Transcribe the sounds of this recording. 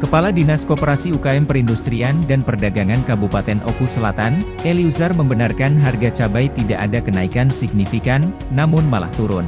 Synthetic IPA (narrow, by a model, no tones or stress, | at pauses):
kəpaladinaskopəɾasiukaɛmpəɾindust̪ɾiandanpərdaɡaŋankabupat̪ɛnʔo̰kusəlat̪an | ʔɛliuzarməmbənarkanɦarɡat͡ʃabajt̪idaʔadakənaikansiɡ̚nifikanː | amʊnmala̰ht̪uɾʊn